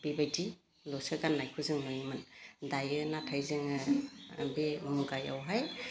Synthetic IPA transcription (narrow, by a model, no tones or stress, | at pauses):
b̥ibajti | lɔsɯɡanːajkʰuzɯŋmɯjimɯndajɯnatʰajzɯŋɯ | bemuɡaja̰wɦaj